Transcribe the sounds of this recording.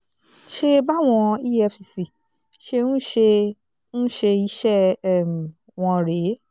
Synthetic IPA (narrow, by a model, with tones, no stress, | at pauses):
ʃe˧ba˦˨w̃ɔ̃˧i˦ɛ˧fi˨si˨ | ʃe˧nũ˦ʃe˧ | nũ˦ʃe˧i˨˦ʃɛ˦˨˦m˨ | w̃ɔ̃˧ɾe˨˦